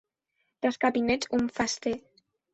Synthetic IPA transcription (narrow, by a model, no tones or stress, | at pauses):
d̪̥askaβinɛt̪uɱfast̪e